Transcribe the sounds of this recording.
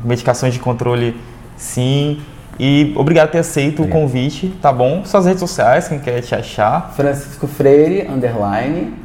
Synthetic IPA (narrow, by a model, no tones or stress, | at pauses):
med͡ʒikasõj̃zd͡ʒɪkõnt̪ɾolɪ | sĩ | io̰bɾiɡad̪ʊt̪eɾasejt̪ʊːkõvit͡ʃɪt̪abõsõɐzhed͡ʒɪsosiajskẽj̃kɛt͡ʃɪa̰ʃafɾɐ̃si̥skʊfɾeɾɪɐ̰̃nd̪eɾlajnɪ